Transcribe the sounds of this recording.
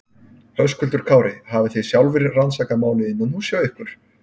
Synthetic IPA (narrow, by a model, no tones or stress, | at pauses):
hœwskʰʏlt̪ʏɾ̥kʰaːwɾɪhavɪθejsjawlvɪɾːansaːkamaːwlɪɪnːɔnusjaːwɪhkʏɾ̥